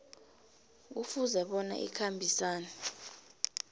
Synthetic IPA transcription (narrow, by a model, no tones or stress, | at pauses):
k̬ufuzɛɓɔna̰ʔḭkʰambʱisaːnɛ